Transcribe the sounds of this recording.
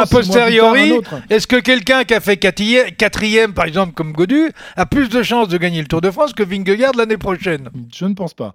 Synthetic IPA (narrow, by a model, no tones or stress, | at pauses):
apɔst̪eʁjɔʁit̪ɛskəkʲɛlkʲɛ̃kʲafɛkat̪iɛkat̪χijɛmpaʁɛɡzɑ̃plkɔmɡod̪yaplysd̪əʃɑ̃sd̪əɡaɲelət̪uʁd̪əfχɑ̃skəviŋɡəɡaʁd̪lanepχɔʃɛnʒ̥ənpɑ̃spa̰